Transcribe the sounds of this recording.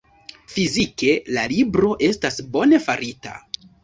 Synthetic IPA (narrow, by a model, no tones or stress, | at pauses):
fizike̞lalibɾo̞ʔe̞stasbo̞ne̞faɾita̰